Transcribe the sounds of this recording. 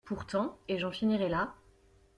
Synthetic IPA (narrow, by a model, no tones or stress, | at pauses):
puʁt̪ɑ̃eʒɑ̃finiʁɛla